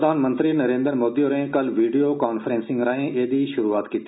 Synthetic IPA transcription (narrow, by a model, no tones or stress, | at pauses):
d̪ʱaːnmənt̪ɾiːnəɾẽːnd̪əɾmoːd̪iːoɾẽkəlʋiːɖijoːkaːnfʰəɾẽːnsɪ̃ŋɡɾaːẽːʔeːd̪iːʃʊɾuːaːt̪kiːt̪i̥ː